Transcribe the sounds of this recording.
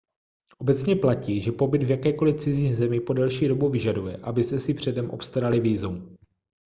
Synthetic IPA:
ʔo̞bɛt͡sɲɛplaciːʒɛpo̞bɪd̪vjakɛːko̞lɪft͡sɪziːɣzɛmɪpo̞dɛlʃiːdo̞buvɪʒadujɛ̰ʔabɪsɛsɪpr̝̥ɛdɛmʔo̞̰pst̪aɾalɪviːzuw

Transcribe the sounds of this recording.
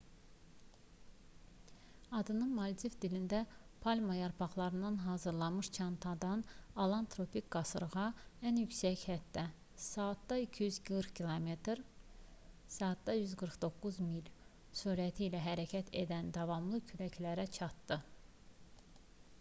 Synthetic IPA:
ɑd̪ɯnɯnmɑlʲt̪ʰifd̪ilind̪æpʰɑlʲmɑjɑɾpʰɑχlˠɑɾɯnd̪ɑnɦɑːzɯɾlˠɑmɯʃt͡ʃʰɑnt̪ʰɑd̪ɑnɑlˠɑnt̪ʰɾo̞pʰikɡɑsɯɾʁɑænjycsæçhæt̪ːæ | sɑːt̪d̪ɑicʰijyzɡɯɾkcʰilˠome̞t̪ɾ | sɑːt̪̚d̪ɑjyzɡɯɾχd̪o̞kːuzmilʲ | suːɾæt̪ʰiːlæɦæɾæcʰæt̪ʰe̞d̪ænd̪ɑvɑmlˠɯcʰylæcʰlæɾæt͡ʃʰɑt̪d̪ɯ

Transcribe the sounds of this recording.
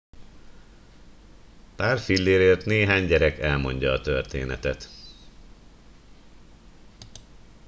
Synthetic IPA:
paːrfilːeːɾeːrt̪neːɦaːɲɟɛɾɛkɛlmo̞ɲɟɒːt̪ørt̪ḛːnɛ̰t̪ɛt̪

